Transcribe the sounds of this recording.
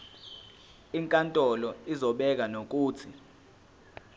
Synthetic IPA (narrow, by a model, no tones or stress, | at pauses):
iŋkʼantʼɔlɔizɔɓɛk̬anok̬ʼuːt͡sʰi